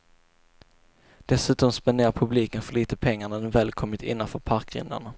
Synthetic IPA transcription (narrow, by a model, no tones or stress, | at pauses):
d̪̥ɛsʉ̟ːt̪ɔmspɛnd̪eːɾaɾpʰɵbliːkənfœɭiːt̪əpʰɛŋːaɳad̪ɛnvɛːlkʰɔmːɪt̪ʰɪ̰nːanfœɾpʰaɾkɾɪ̰nd̪a̰ɳa